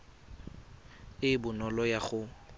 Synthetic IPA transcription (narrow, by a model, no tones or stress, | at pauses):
ɪbʊnɔlɔjaχʊ